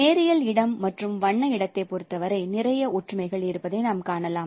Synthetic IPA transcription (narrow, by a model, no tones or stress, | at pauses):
eːɾɪjɐlɪɽɐmːɐʈrɯmʋɐɳːɐɪɽɐt̪ːɐɪpɔɾɯt̪ːɐʋɐɾɐɪnɪrɐjɐʊʈrɯmɐɪɣɐɭɪɾɯpːɐðɐɪnaːmkaːɳɐlaːm